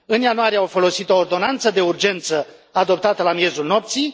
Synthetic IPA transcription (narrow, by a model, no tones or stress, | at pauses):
ɨnjanuaɾijeawfo̞lo̞sit̪o̞ːrd̪o̞nant̪səd̪e̞urd͡ʒe̞nt̪səad̪o̞p̚t̪at̪əlamje̞zulno̞pt̪sij